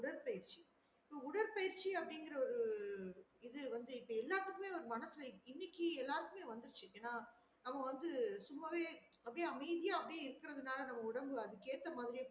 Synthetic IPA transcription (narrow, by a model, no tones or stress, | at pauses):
ʊɽɐɾpɐjɪɾt͡ʃi̥ | ɪpːoːʊɽɐɾpɐjɪɾt͡ʃːiɐpːɐɽɪŋɡɪɾɐɔɾɯ | ɪðɯʋɐnd̪ɯɪpːoːɛlːaːɾt̪ɯkːɯmeːɔɾɯmɐnɐsɯlɐɪnːɪkːiɛlːaːɾɯkːɯmeːʋɐnd̪ɪɾɯt͡ʃːɯkːɐnːaː | nɐmːɐʋɐnd̪ɯsʊmːɐʋeːɐpːɐɽiɐmɐɪðɪjaːɐpːɐɽɪjɪɾɯkːɪɾɐðɯnaːlɐnɐmːɐʊɽɐmbɯɐðɯkeːɾt̪ːɐmaːðɪɾɪj